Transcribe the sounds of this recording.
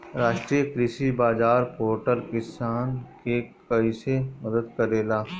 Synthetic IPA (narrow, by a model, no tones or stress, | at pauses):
ɾaːʃʈɾiəkɾɪsibaːzaːɾpoːɾʈəɾkɪsaːnkekɐisemɐd̪əd̪kɐɾeːlaː